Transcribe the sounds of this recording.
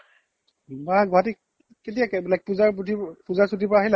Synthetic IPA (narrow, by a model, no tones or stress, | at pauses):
maɡɔɦati | ket̬ijaklajk̚puzaɹputipuzaɹsutipaːɦila